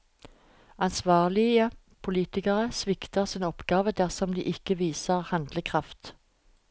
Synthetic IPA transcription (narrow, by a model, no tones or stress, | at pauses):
ɑnsʋɑːʁlɪə | pʰʊliːt̪ɪkəʁəsʋɪkt̪əʁsɪːnɔpɡɑːʋəd̪æʁsɔmd̪ḭːʔɪkəʋiːsəʁhɑnd̪ləkʰʁɑft̪